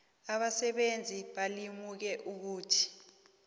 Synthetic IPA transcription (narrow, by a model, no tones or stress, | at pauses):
aɓasɛɓend͡zʱiɓalimuk̬ɛʔuk̬uːtʰi̥